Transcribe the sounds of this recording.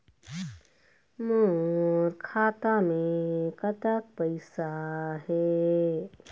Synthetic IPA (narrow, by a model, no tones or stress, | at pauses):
moɾkʰaːt̪amẽkət̪ək̚pəɪsaɦɛː